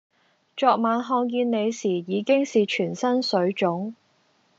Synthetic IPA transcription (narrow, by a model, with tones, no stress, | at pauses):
t͡ʃɔː˨˧k̚maː˨˧nɦɔː˧ŋkiː˧nne˨˧jsiː˨˩jiː˨˧kɪ˥ŋsiː˨t͡ʃʰyː˨˩nsɐ˥nsɵ˨˥ɥt͡ʃʊ˨˥ŋ